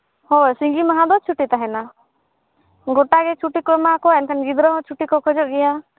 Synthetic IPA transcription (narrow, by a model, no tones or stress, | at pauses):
hosiŋɡimaɦãd̪ɔt͡ʃʰuʈit̪aɦɛna | ɡoʈaɡet͡ʃʰuʈikɔmakɔɛnkʰənɡid̪ɾɔɦɔ̃t͡ʃʰuʈikɔkʰɔd͡ʒɔʔɡɛja